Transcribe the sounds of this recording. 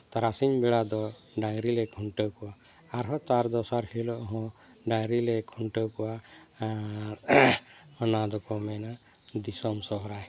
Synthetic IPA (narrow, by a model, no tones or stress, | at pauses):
t̪aɾasiɲbɛɽad̪ɔ | ɖaŋɾilɛkʰuɳʈəwkɔwaː | ɾɦɔt̪aɾd̪ɔsaɾhilɔʔɦɔ̃ | ɖaŋɾilɛkʰuɳʈəwkɔwa | aɾ | ɔnad̪ɔkɔmɛna | d̪isɔmsɔɦɔɾaj